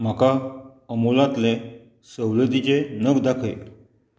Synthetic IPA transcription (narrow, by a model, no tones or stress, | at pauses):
m̤akaəmolãt̪le | səwləd̪it͡ɕenəkd̪akʰəj